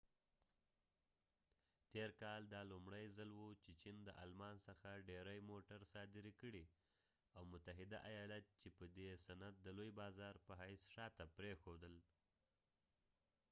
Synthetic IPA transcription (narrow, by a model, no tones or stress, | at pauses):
t̪eɾkɑld̪ɑlʊmɽəjzalwut͡ʃet͡ʃind̪əʔɑ̰lmɑnsəxaɖeɾajmoʈaɾsɑd̪ɪɾikəɽi | awmʊt̪aɦɪd̪aʔajɑlat̪̚t͡ʃepəd̪esanat̪̚d̪əlojbɑzɑɾpəɦajsʃɑt̪apɾexod̪əl